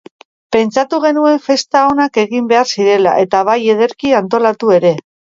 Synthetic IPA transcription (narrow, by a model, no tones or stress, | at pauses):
pe̞nt͡sat̪uɣ̞e̞nue̞ɱfe̞st̪ao̞nake̞ɣimbe̞aɾsiɾe̞la̰ʔe̞t̪aβ̞aje̞ð̞e̞ɾkiant̪o̞lat̪ue̞ɾe̞